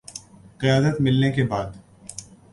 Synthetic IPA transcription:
qɪjaːd̪ət̪mɪlnekebaːd̪

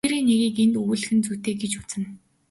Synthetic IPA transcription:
eɾeːneɣʲiːkent̪uɣɘ̆ːɮɘ̆xɘ̆nt͡sut̪eːɡet͡ɕu̥t͡sɘ̆n

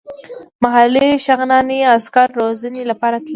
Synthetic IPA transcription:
maɦaliʃaɣnɑneaskaɾːozanelapɑɾat̪l

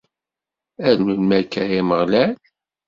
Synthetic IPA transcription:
æðnulmæɾkːæjiməʁlæl

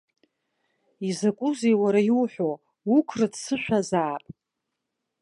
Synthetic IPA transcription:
izakʷʼuzejwaɾajwuħʷᶣo | ukʷʰrɨdsɨʃᶣʷazaːpʼ

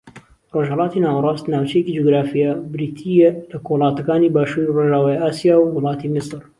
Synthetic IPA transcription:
roːʒhɛlɑːt̪inaːwrˤɑːst̪naːwt͡ʃɐjekid͡ʒoɡɾaːfijabɾiːt̪ʰijelɐkohlˠɑːt̪ɐkaːnibaːʃuːɾiroːʒaːwaːjaːsijaːwːʊlˠɑːt̪imɪsɨɾ

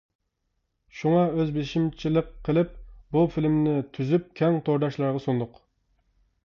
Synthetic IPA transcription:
ʃuŋɑøzbeʃimt͡ʃʰilˠəqʰːəlˠɨp̚bufilmnɪt̪ʰyzyp̚kʲʰɛŋt̪ʰoɾd̪ɑʃlˠɑɾʁɑsond̪ʊq

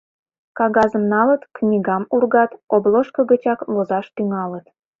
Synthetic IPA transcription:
kɑɣɑzəmnɑlət̪knʲiɣɑmurɣɑt̪obloʃkəɣət͡ɕɑklozɑʃt̪yŋɑlət̪

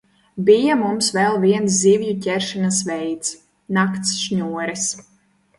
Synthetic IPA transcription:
bijamumsvɛlˠviɛns̬zivjucʲɛɾʃinasvɛjt̪s | nakt̪sʃɲuɔɾis

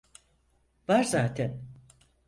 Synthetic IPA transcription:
vaɾzaːt̪ʰæn

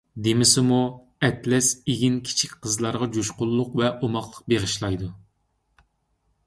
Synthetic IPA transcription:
d̪emɪsɪmu | ɛt̪lɛseɡʲinkʲʰi̥t͡ʃʰikʲqʰəzlˠɑɾʁɑd͡ʒuʃqʊlˠːʊqvɛʔomɑχlˠəq̚beʁəʃlˠɑjd̪u

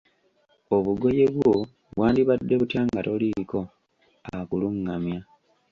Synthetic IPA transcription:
o̞βuɡo̞je̞βwo | βwaːndiβadːe̞βutjaːŋɡatoliko̞ | akuluŋːamja

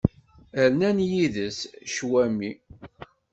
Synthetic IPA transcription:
əɾnænjiðəsʃwæmi

